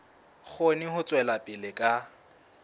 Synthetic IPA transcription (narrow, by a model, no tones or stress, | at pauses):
χʊnɪhʊt͡sʼwɛlapʼɪlɪkʼa